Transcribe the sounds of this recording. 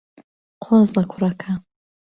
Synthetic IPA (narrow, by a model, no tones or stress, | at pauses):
qʷʰozlakʷʰrakʰa